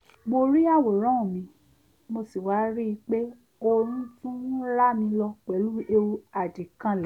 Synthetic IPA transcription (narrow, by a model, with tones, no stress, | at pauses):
mo˧ɾi˦a˦˨wo˨ɾ̃ã˨˦ũ˨mĩ˧˦ | mo˧si˨wa˨˦ɾi˦i˧k͡pe˦ | o˧ɾĩ˦tũ˦la˦mĩ˧lɔ˧k͡pɛ˨˦lu˦e˧u˧a˨di˨kã˧lɛ˨